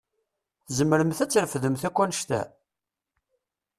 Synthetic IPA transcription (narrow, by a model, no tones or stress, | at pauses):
θzəmːəɾəmθæt͡sːəɾfðəmθækʷːænəʃt̪æ̰